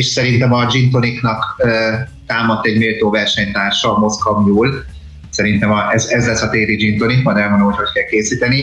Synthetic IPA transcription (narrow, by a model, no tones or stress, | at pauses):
eːʃsɛɾint̪ɛmɒd͡ʒint̪̬oniknɒkøt̪aːmɒt̪ːɛɟmiːlt̪oːvɛrʃɛɲt̪aːrʃɒːmo̞skɒmjuːl | sɛɾint̪ɛmɒɛzɛzlɛsːɒt̪eːɾid͡ʒint̪onikmɒjd̪ɛlvonomɦocho̞ckɛlkeːsiːt̪ɛni